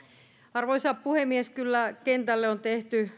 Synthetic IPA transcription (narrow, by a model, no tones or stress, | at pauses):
ɑrʋoisɑppuhemːieskylːækent̪ælːeont̪eht̪y